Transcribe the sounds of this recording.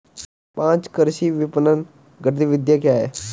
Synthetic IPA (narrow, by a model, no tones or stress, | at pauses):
pãːt͡ʃkəɾʃiːʋɪpənən | ɡəʈd̪iːʋɪd̪jaːkɪjaːeː